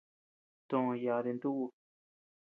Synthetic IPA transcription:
t̪õ˨õ˧ja˧˨ðe˧nd̪u˦ʔu˧

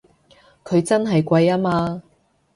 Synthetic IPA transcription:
kʰɵ˨˧ɥt͡sɐ˥nɦɐ˨jkʷɐ˧jaː˥maː˧

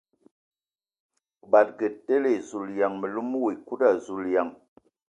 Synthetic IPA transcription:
ba˨t̚ɡə˨ttːe˦le˨zu˨lja˨ŋmə˨lu˦m˦wi˨ku˦da˦˨zu˨lja˨ŋ

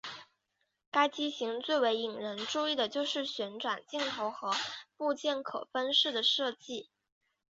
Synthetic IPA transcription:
ka˥ɪt͡ɕi˥ɕi˧˥ŋt͡swe˥˩ɪwe˧˥ɪi˨˩ŋɻə˧˥nʈ͡ʂu˥˧i˥˩d̪ə˩t͡ɕjo˥˧ʊʂɻ̩˥˩ɕɥɛ˧˥nʈ͡ʂwa˨˩nt͡ɕi˥˩ŋt̪ʰo˧˥ʊxɤ˧˥pu˥˧t͡ɕjɛ˥˩nkʰɤ̰˨˩fə˥nʂɻ̩˥˩d̪ə˩ʂɤ˥˧t͡ɕi˥˩

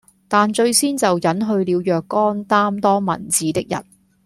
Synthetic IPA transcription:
t̪aː˨nt͡ʃɵ˧ɥsiː˥nt͡sɐ˨wjɐ˨˥nɦɵ˧ɥliː˨˧wjœː˨kːɔː˥nt̪aː˥mt̪ɔː˥mɐ̰˨˩nt͡siː˨˥t̪ɪ˥k̚jɐ̰˨˩t̚

